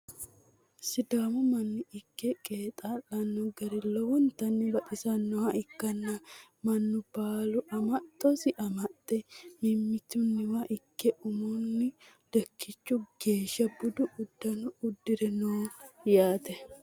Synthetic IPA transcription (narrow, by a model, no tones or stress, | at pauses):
sɪd̪aːmʊmɐnːʊɪkːɛkʼeːt̪ʼaːlɐnːɔɡɐɾɪlɔwɔnt̪ːɐnːɪbɐt̪ʼɪsɐnːɔhɐɪkːɐnːɐ | mɐnːʊb̥aːlʊʔɐmɐt̪ʼːɔsɪʔɐmɐt̪ʼːɛmɪmːɪt̪ʊnːɪwɐʔɪkːɛʔʊmʊnːɪ | d̪̥ɛkːɪt͡ʃːʊɡ̥e̞ːʃːɐbʊd̪ʊʔːd̪ːɐnʊʊd̪ːɪɾɛnoːjaːt̪ɛ